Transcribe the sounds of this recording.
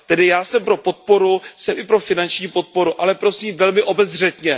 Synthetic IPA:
t̪ɛdɪjaːsɛmpɾo̞po̞t̪̚poɾusɛmʔɪpɾo̞fɪnant͡ʃɲiːpo̞t̪̚po̞ɾuʔalɛpɾo̞siːmvɛlmɪʔo̞bɛzr̝ɛt̪ɲɛ

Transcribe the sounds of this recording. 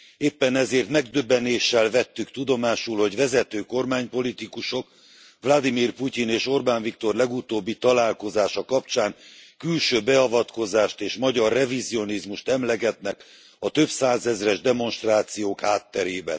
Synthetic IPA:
eːpːɛnɛzeːrt̪mɛɡd̪øbːɛneːʃːɛlvɛt̪ːykt̪ud̪o̞maːʃulho̞ɟvɛzɛt̪øːko̞rmaːɲpo̞lit̪ikuʃo̞k | vlɒd̪imiːrpucineːʃo̞rbaːnvikt̪o̞rlɛɡut̪oːbːit̪ɒlaːlko̞zaːʃɒkɒp̚t͡ʃaːŋkylʃøːbɛɒvɒt̪ko̞zaːʃt̪eːʃmɒɟɒrːɛvizio̞nizmuʃt̪ɛmlɛɡɛt̪nɛk | ɒt̪ø̞bsaːzɛzrɛʒd̪ɛmo̞nʃt̪raːt̪sijoːkhaːt̪ːɛɾeːbɛ̰n

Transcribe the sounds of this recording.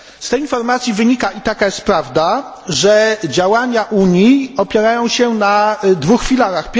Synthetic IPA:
st̪ɛjinfɔɾmat̪sʲjivɘɲikaʔit̪akajɛst̪̚pɾavd̪a | ʐɛd͡ʑawaɲaʔuɲiɔpʲjɛɾajɔ̃w̃ɕɛnad̪vuxfʲilaɾaxpʲ

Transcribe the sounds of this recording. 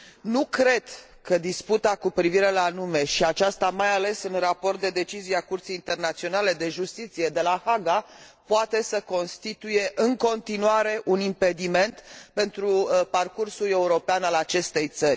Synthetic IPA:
nukɾe̞d̪̥ | kəd̪isput̪akupɾiviɾe̞lanume̞ʃiat͡ʃast̪amajale̞sɨnrapo̞rt̪̚d̪e̞d̪e̞t͡ʃizijeakurt̪sijːnt̪e̞rnat̪sio̞nale̞d̪e̞ʒust̪it̪sije̞d̪e̞lahaɡa | poat̪e̞səko̞nst̪it̪uje̞ʔɨŋko̞nt̪inuaɾe̞ʔunimpe̞d̪ime̞nt̪pe̞nt̪ɾuparkursule̞uɾo̞peanalat͡ʃe̞st̪e̞jt̪sərʲ

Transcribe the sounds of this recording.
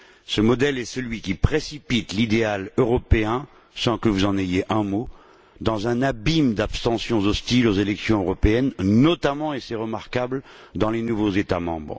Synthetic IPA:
səmɔd̪ɛlɛsəlɥikʲipχesipit̪lid̪ealøʁɔpeɛ̃ | sɑ̃kəvuzɑ̃najeʔɛ̃mo | d̪ɑ̃zɛ̃nabimd̪apst̪ɑ̃sjɔ̃zɔst̪ilozelɛksjɔ̃øʁɔpeɛnːɔt̪amɑ̃esɛʁəmaʁkabld̪ɑ̃lenuvozet̪amɑ̰̃bʁ

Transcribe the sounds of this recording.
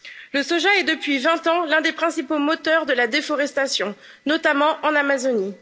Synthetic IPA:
ləsɔʒaɛd̪əpɥivɛ̃t̪ɑ̃lɛ̃d̪epχɛ̃sipomɔt̪œʁd̪əlad̪efɔʁɛst̪asjɔ̃ | nɔt̪amɑ̃ʔɑ̃namazɔni

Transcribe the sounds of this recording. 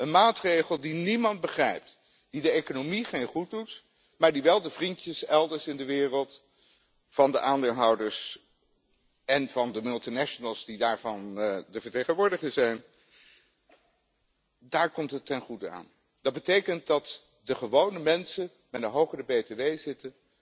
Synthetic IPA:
ənmaːtrejχəlˠdinimɑnd̚bəχrɛjp̚t | d̥idəejkonomiχejnχud̚dut | maːɹdiʋɛlˠdəvrintjəsɛlˠdəɹsɪndəʋɪːrəlˠt | fɑndə̰ʔaːndeːlˠɦɑwdəɹs | ɛnvɑndəmɵlˠtinɛʃənəlˠsdidaːɹvɑndəvəɹtejχənʋʊːɹdəχəzɛjn | daːɹkɔmtɦətːɛnχudəa̰ːn | d̥ɑd̚bətejkənt̚dɑt | dəχəʋownəmɛnsə | mɛtdəɦowχərəbejteʋejzɪtə

